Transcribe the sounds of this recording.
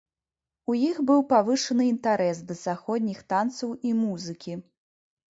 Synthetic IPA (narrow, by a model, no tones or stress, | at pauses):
ujixbɨwpavɨʂɐnɨint̪aɾɛsd̪ɐzaxɔd̪ʲnʲixt̪ant̪sɐwimuzɨkʲi